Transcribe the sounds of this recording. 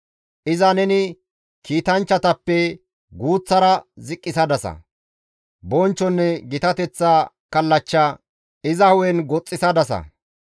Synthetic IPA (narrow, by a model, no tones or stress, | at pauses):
ʔɪzɐnɛnɪ | kiːt̪ɐnt͡ʃːɐt̪ɐpːɛ | ɡuːt͡sːɐɾɐzɪkʼːɪsɐd̪ɐsɐ̰ | bɔnt͡ʃːɔnːɛɡɪt̪ɐt̪ɛt͡sːaː | kɐlːɐt͡ʃːɐ | ɪzɐhʊwɛnɡɔt͡sʼːɪsɐd̪ɐsɐ̰